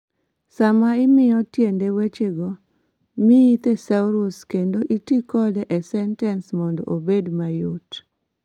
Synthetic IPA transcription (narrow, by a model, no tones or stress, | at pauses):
samaɪmɪjɔtjendewet͡ʃeɡɔ | mijit̪esauɾuskendoʔitikɔdɛʔɛsɛntɛnsmɔndɔ̰ʔobedmajot